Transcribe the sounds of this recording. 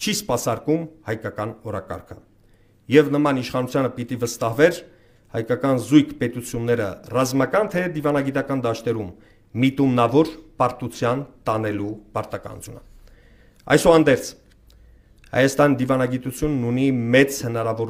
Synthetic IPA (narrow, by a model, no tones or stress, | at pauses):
t͡ʃʰispɑsɑɾkumhɑjkɑkɑnɔɾɑ̰kɑ̰ɾkʰə̰ | jɛvnəmɑniʃχɑnut͡sʰjɑnəpit̪ivəst̪ɑhvɛɾ | hɑ̰jkɑkɑnzujkʰpɛt̪ut͡sʰjunːɛɾə̰rɑzmɑkɑnt̪ʰɛd̪ivɑnɑɡit̪ɑkɑnd̪ɑʃt̪ɛɾumː | it̪umnɑvɔɾpɑɾt̪ut͡sʰjɑnt̪ɑnɛlupɑɾt̪ɑkɑ̰nṵt͡sʰjṵnə | ɑ̰jsɔɑnd̪ɛɾt͡sʰ | hɑ̰jɑst̪ɑnid̪ivɑnɑɡit̪ut͡sʰjunːunimɛt͡shənɑɾɑvɔɾ